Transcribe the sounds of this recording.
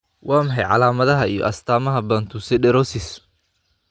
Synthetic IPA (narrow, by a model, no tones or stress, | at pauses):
wɑːmɐħɑjʕɑ̰laːmɐðɐɦɐijɔ̰ʔɐst̪ʰaːmɐɦɐbɐːnt̪ʰusɛɖɛɾɔsɪs